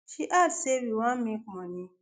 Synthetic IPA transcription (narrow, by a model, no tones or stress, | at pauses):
ʃiʔaseɾiwãmĩkɔ̃nĩ